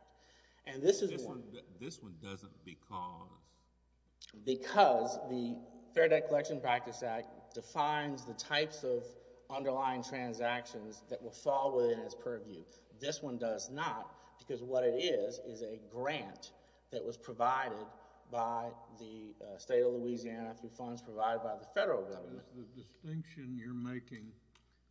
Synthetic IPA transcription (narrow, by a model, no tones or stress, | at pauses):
k̚t | ʔɨ̃nðɪsɨzʌ̃ðɪswʌ̃ndʌzə̃nb̥ɨkʰʌ̰z̥ | bɨkʰʌzðɨθɛɹɾaɪkʰəlɛkʃɨ̃npʰɹ̥æk̚tɨsæk̚d̥ɨfãɪ̃nzðɨtʰaɪpsʌv | ʌ̃ndə˞lãɪɪ̃ŋtʰɹ̥æ̃nzækʃɨ̃nzðɨʔ̚wəlˠfɔlˠwəθɪ̃nɨtspʰɜ˞vjʉ | ðɪswʌ̃ndʌznət̚ | b̥ɨkʰʌzwʌɾɨɾɪzɪzɨɡɹæ̃n | ðɨʔ̚wʌz̥pʰɹ̥əvaɪɾɪd̚ | baɪðɨsteɪɾʌvluiziænəθɹʉfʌ̃ndz̥pʰɹ̥əvaɪɾɨd̚baɪðəfɛɾə˞l̩ˠɡʌvə˞mɨ̰̃ɨdɨstɪ̃ŋkʃɨ̃njə˞meɪkɪ̃ŋ